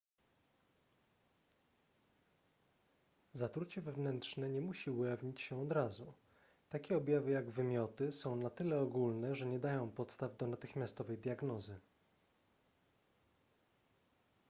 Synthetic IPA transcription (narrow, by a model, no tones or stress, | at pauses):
zat̪ɾut͡ɕɛvɛvnɛnt̪ʂnɛɲɛmuɕiwjavɲit͡ɕɕɛɔd̪ɾazu | t̪akʲɛɔbʲjavɘjaɡvɘmʲjɔt̪ɘsɔ̃w̃nat̪ɘlɛɔɡulnɛʐɛɲɛd̪ajɔ̃w̃pɔt̪st̪avd̪ɔnat̪ɘxmʲast̪ɔvɛjd̪ʲjaɡnɔzɘ